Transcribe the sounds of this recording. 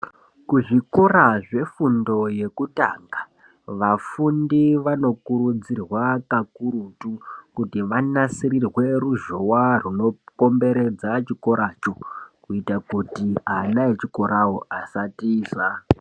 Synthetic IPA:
kuʐikoraʐe̞fundo̞je̞kuta̰ːŋɡa | ʋafundiʋano̞kuɾud͡zirwakakuɾutukutiʋanasiɾirwe̞ruʒowaruno̞ko̞mbe̞ɾe̞d͡zat͡ʃiko̞ɾat͡ʃo̞kuitakuktianaet͡ʃiko̞ɾawoasatiːswa

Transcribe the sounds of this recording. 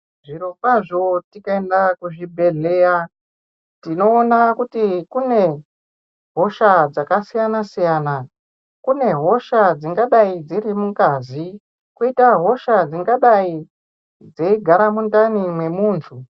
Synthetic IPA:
ʐiɾopaʐo̞tikaendakuʐibʱe̞ɮe̞ːja | tino̞ːnakutikune̞ | ɦo̞ʃad͡zakasijanasijaːna | kune̞ɦo̞ʃad͡ziŋɡaɗaid͡zirimuŋkazi | koitaɦo̞ʃad͡ziŋɡaɗai | d͡zeiɡʱaɾamundanimwe̞muːntʰu

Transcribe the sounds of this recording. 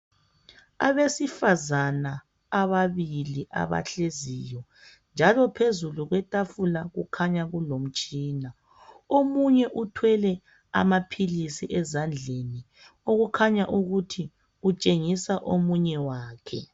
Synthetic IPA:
a̰βesifazanaː | βaβiliʔa̰βa̰ɬeziːjɔ | nd͡ʒʱalɔpʰezuluɣwɛtʼafulaɣukʰaɲaɣulom̩t͡ʃʼiːna | omuɲɛʔutʰwɛlɛ | a̰mapʰilisiʔɛzand͡ɮʱeni | oɣukʰaɲaʔuɣutʰi | ut͡ʃʼeŋisaʔomuɲɛwaːkʰɛ̰

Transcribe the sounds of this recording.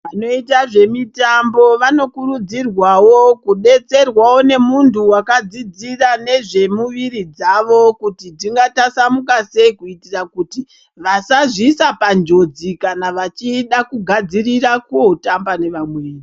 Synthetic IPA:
ʋano̞itaʐe̞mitambo̞ʋano̞kurud͡zirwawo̞kuɗe̞t͡se̞rwawo̞ne̞muntʰuwakad͡zid͡zirane̞ʐe̞muʋiɾid͡zaʋo̞kutitiŋɡatasamukase̞ikuitirakuti | ʋasaʐisapand͡ʒo̞d͡zikanaʋat͡ʃiɗakuɡʱad͡zirirakuotambane̞ʋamweʋiːri

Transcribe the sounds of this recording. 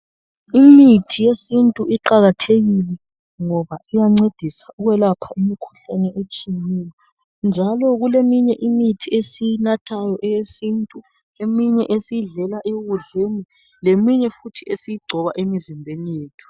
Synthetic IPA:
imitʰijesintʼuʔiǃaɣatʰeɣilɛ | ŋɔβaʔijaŋ͡ǀed̥ʱisauɣwɛlapʰaʔimikʰu̥ɬanɛʔet͡ʃʼiŋijɔ | nd͡ʒʱalɔɣulemiɲɛʔimitʰiesijnatʰajɔʔɛjesintʼu | emiɲɛʔesijiɮɛlaʔeɣuɮeni | lemiɲɛfutʰiʔesijiɡ͡ǀʱɔβaʔemizimbʱenijeːtʰu̥

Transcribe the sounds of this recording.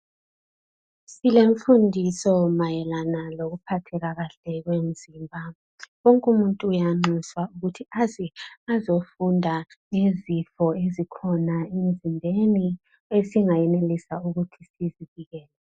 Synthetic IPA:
sileɱfundʱisɔmajɛlanaloɣupʰatʰɛɣaɣaɬɛɣwem̩z̥iːmbʱa | wɔŋkʼumuntʼuːjaŋ͡ǁiswauɣutʰiaziazofundʱaŋezifɔezikʰɔnaem̩zʱinbʱeni | esiŋajɛnelisauɣutʰisiziv̥iɣɛːlɛ

